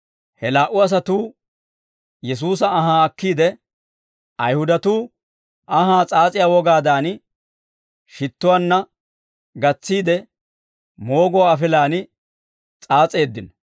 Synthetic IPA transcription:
hɛlaːʔʊɐs̬ɐt̪uː | jɛs̬uːs̬ɐːɦaːɐkːiːd̪ɛ | ɐjhʊd̪ɐt̪uː | ɐɦaːt͡sʼaːt͡sʼɪjaːwɔɡaːd̪aːn | ʃɪt̪ːʊwaːnːɐ | ɡɐt͡sːiːd̪ɛ | mo̞ːɡɔwaːfɪlaːnɪ | t͡sʼaːt͡sʼe̞ːd̪ːɪn

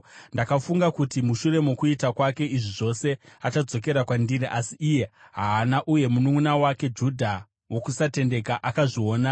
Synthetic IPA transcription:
ndakafuŋɡakutimuʃure̞mukuitakwake̞iʐiʐo̞se̞at͡ʃad͡zo̞ke̞ɾakwandiriʔasiːje̞ɦaːnaʔuje̞munuŋunawake̞d͡ʒudʱa | wo̞kusate̞nde̞kaʔakaʐio̞ːna

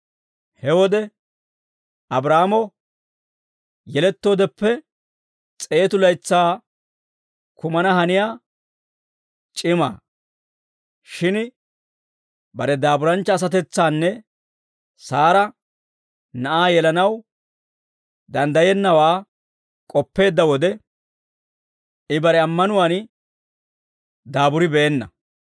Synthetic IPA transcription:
hɛwɔd̪ɛ | ɐbɾaːmɔ | jɛlɛt̪ːoːd̪ɛpːɛ | t͡sʼe̞ːt̪ʊlɐjt͡sːaː | kʊmɐnɐhɐnɪjaː | t͡ʃʼɪma̰ː | ʃɪn | bɐɾɛd̪aːbʊɾɐnt͡ʃːɐːs̬ɐt̪ɛt͡sːaːnːɛ | saːɾɐ | nɐʔaːjɛlɐnɐw | d̪ɐnd̪ɐjɛnːɐwaː | kʼɔpːe̞ːd̪ːɐwɔd̪ɛ | ɪbɐɾɛɐmːɐnʊwaːn | d̪aːbʊɾɪbɛʔɛnːɐ

